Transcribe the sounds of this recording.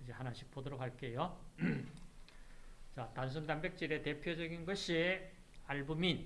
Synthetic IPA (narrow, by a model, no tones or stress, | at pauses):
id͡ʑehanaɕʰi̥p͈ʰːodoɾokaɭk͈e̞jo | t͡ɕatans̬ʰundanbek̚t͡ɕ͈iɾe̞te̞pʰjod͡ʑʌɡinɡʌɕʰi | aɭbumin